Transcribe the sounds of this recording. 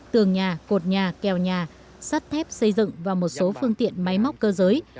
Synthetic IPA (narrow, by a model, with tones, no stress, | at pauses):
t̪ɨ˨˩əŋɲaː˨˩ko˨˩t̚ɲaː˨˩kɛ˨˩wɲaː˨˩ | sa˦˥t̚t̪ʰɛ˦˥p̚sə˧jzɨ̰˧˨ŋvaː˨˩wmo˨˩t̚so˨˦fɨ˧əŋt̪ḭ˧˨ənma˨˦jma˦˥wk͡p̚kəː˧zəː˨˦j